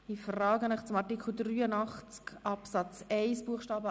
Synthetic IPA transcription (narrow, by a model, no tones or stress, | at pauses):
ifrɑːɡənəχt͡sʊmɑɾtikχl̩d̪ɾyːənɑχt͡skɑpsɑt͡sɛɪsb̥uəχʃtɑːbə